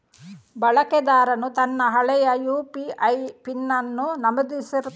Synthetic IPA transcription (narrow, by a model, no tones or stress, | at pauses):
bɐɭɐkɛd̪aːɾɐnut̪ɐnːɐɦɐɭɛjɐjuːpiʔɐjpinːɐnːunɐmɐd̪isiɾu